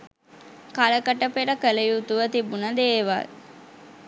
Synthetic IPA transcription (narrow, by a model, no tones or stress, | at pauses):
kaləkəʈəpeɾəkələjut̪uʋət̪ibunəd̪eːʋa̰l